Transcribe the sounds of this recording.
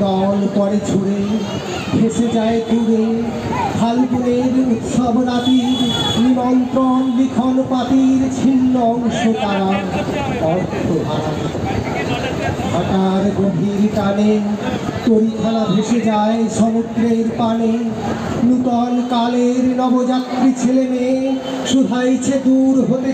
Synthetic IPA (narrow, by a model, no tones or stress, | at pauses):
ɔlpɔɾet͡ɕʰuɾe | bʱeʃed͡ʑaet̪uɾe | kʰalpuɾeɾut̪ʃɔbnat̪iɾniɾɔnt̪ɾonlikʰonpat̪iɾt͡ɕʰilːoŋʃot̪aɾa | ɔɾ | t̪obʱaɾaɾ | dʱʰaʈaɾɡobʱiɾkane | t̪oɾikʰalabʱeʃed͡ʑaeʃɔmud̪ɾeɾpane | lut̪ɔnkaleɾnɔbod͡ʑat̪ɾit͡ɕʰeleme | ʃub̪ʱajt͡ɕʰed̪uɾɦot̪e